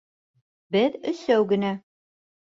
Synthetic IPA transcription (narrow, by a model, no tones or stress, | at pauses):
bɘðɵ̆sæwɡɘ̆næ